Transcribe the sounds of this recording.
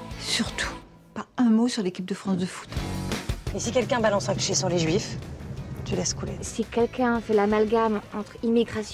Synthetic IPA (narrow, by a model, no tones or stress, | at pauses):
syʁt̪ʰu̥ | paɛ̃mosyʁlekʲip̚d̪əfχɑ̃sd̪əfu̥t̪ | esikʲɛlkʲɛ̃balɑ̃sɛ̃ki̥ʃesyʁleʒɥif | t̪ʰylɛskulḛsikʲɛlkʲɛ̃fɛlamalɡamɑ̃t̪χimiɡʁas